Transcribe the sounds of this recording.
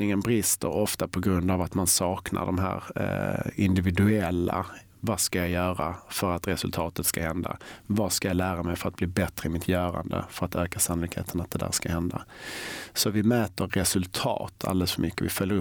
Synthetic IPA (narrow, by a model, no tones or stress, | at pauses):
nɪŋənbɾɪst̪ə̰ɾɔft̪apʰɔɡɾɵnd̪avat̪mansɑːknʔa̰ɖɔmɦæ̰ːɾ | ɪnd̪ɪvɪd̪ɵɛlːa̰ | vaskajajœːɾafœɾat̪ɾɛsɵlt̪ʰɑːt̪ət̪skahɛnd̪a̰vaskajalæːɾamɛjfœɾat̪̚bliːbɛt̪ɾəɪmɪt̪ʰjœːɾa̰nd̪ə̰fœɾat̪øːkasanʊlɪkhḛːt̪ʰənat̪̚d̪ɛd̪æ̰ːɾʂskahɛnd̪a̰ | sɔvɪmɛːt̪əɾːɛsɵlt̪ʰɑ̰ːt̪ʰa̰ld̪ɛləsfœmʏkːəvɪ̰fœljəɾɵ